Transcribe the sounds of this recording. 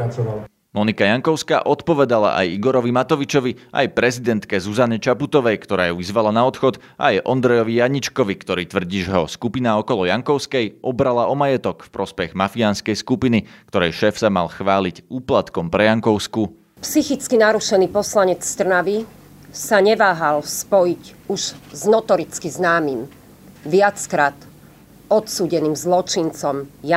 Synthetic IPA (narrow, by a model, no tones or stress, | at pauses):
at͡sɔʋal | mɔnikajaŋkɔʊskaːʔɔt̪pɔʋɛd̪ala̰ʔa̰jiɡɔɾɔʋimat̪ɔʋit͡ʃɔʋiʔa̰jpɾɛzid̪ɛnt̪kɛzuzanɛt͡ʃaput̪ɔʋɛjkt̪ɔɾaːjuʋizʋalanaɔt̪xɔd̪ | ʔa̰jʔɔnd̪ɾɛjɔʋijaɲit͡ʃkɔʋikt̪ɔɾiːt̪ʋr̩ɟiːʒɛɦɔskupinaɔkɔlɔjaŋkɔʊskɛjʔɔbɾalaɔmajɛt̪ɔkfpɾɔspɛɣmafianskɛjskupinikt̪ɔɾɛjʃɛːfsamalxʋaːlicuːplat̪kɔmpɾɛjaŋkɔʊsku | psixit͡skinaɾuʃɛniːpɔslaɲɛt͡sst̪r̩naʋi | saɲɛʋaːɦalspɔjic | uʒznɔt̪ɔɾit͡skiznaːmim | ʋɪat͡skɾat̪ | ɔt̪suːɟɛniːmzlɔt͡ʃint͡sɔmja